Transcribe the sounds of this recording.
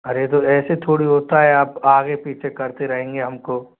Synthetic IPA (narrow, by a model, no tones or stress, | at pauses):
ɐɾet̪oɛːset̪ʰoːɽiɦoːt̪aɦɛaːpaːɡepiːt͡ʃʰekɐɾt̪eɾɐɦẽːŋɡeɦɐmko